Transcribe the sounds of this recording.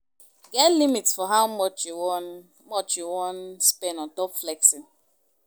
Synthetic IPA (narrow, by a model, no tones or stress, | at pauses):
ɡɛtlimitsfɔɦaʊmɔt͡ʃjuwn | mɔt͡ʃjuwɔnspɛ̃nɔ̃ntɔpflɛksi